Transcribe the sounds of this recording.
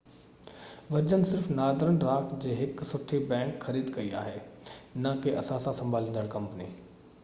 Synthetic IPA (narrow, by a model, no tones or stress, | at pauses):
ʋɐd͡ʑənɪsɪɾfnaːd̪ɾənɾaːkd͡ʑeːɦɪksʊʈʰibɛ̃ːŋkxɐɾiːd̪kɐia̰ːɦeːnɐkeʔɐsãsãsɐ̃mbʱaːlĩːnd̪əɭ̃kɐ̃mpəni